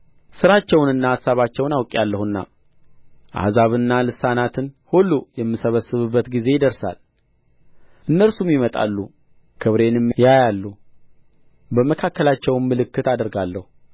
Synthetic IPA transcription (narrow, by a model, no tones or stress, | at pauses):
sɨɾat͡ʃːɛwnɨnːaːasaβat͡ʃːɛwnawkʼalːəhɨnːa̰ | ʔa̰hzaβɨnːalɨsanat̪ʰɨnhulːujɛmːɨsəβəsːɨβɨbːət̪ɡize̞jɪd̪əɾsa̰l | ʔɨnːəɾsumjimət̪ʼa̰lːu | kʰɨβɾe̞nmjajalːu | bəməkʰakːəlat͡ʃːɛwmːɨlɨkːɨt̪ad̪əɾɡalːəhu